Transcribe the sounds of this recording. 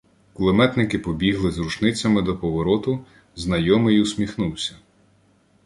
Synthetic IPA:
kulˠemɛt̪nɪkɪpɔbʲiɦlˠɪzrut͡ʃnɪt͡sʲːɐmɪd̪ɔpɔʋɔɾɔt̪ʊ | znɐjɔmɪjʊsʲmʲixnuwsʲɐ̥

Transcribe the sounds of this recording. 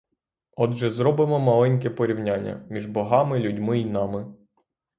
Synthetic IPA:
ɔd̪ʒɛzɾɔbɪmɔmɐlˠɛnʲk̬ɛpɔɾʲiwnʲanʲːɐ̰mʲiʒbɔɦɑmɪlʲudʲmɪinɑmɪ

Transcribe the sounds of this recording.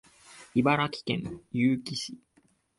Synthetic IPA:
ibaɾakʲi̥kẽŋjɨːkʲiɕi

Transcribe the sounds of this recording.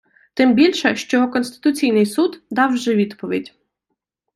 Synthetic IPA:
t̪ɪmbʲilʲʃɛʃt͡ʃɔkɔnst̪ɪ̥t̪ʊt͡sʲijnɪjsud̪d̪ɑwʒɛʋʲid̪pɔʋʲḭdʲ

